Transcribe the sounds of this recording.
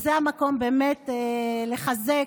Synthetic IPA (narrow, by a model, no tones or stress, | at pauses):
zeamako̞mbeːmetleχaze